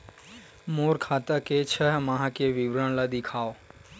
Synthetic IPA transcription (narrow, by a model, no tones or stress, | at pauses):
moːɾkʰat̪əket͡ʃʰəɦmaɦãkeʋɪbɾaɳ̃lad̪ɪkʰaːo